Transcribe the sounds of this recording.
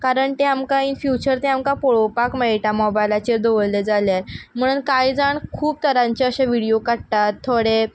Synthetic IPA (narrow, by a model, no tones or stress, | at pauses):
kaɾəɳt̪eamkainfjut͡ɕəɾt̪ẽamkapoɭopakmeɭiʈamɔbajlat͡ɕeɾd̪oʋəɭled͡zaljam̤əɽ̃uːnkaid͡zaɳkʰuːp̚t̪əɾãɲt͡ɕeəɕaʋiɽijokəɽt̪at̪ʰːoɽe